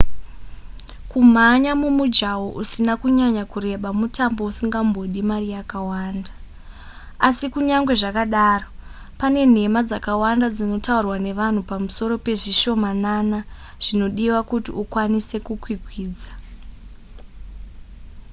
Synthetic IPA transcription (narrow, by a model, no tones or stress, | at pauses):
kum̤aɲamumud͡ʒawoʔusinakuɲaɲakuɾe̞ɓamutambo̞usiŋɡambo̞ɗimarijakawaːnda | asikuɲaŋɡwe̞ʐakaɗaːro̞ | pane̞n̤e̞mad͡zakawandad͡zino̞taurwane̞ʋan̤upamuso̞ɾo̞pe̞ʐiʃo̞manana | ʐ̥ino̞ɗiwakutḭukwanise̞kukwikwiːd͡za